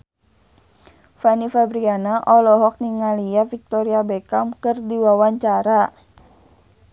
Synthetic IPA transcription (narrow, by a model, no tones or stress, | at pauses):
fanifabɾianaʔɔlɔɦɔk̚niŋaliafik̚t̪ɔɾiabekamkɨrdiwawaɲt͡ʃaɾa